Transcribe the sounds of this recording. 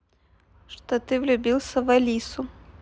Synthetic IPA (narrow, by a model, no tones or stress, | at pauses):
ʂt̪ɔt̪ɨvlʲubʲilˠsʲɐvalʲisʊ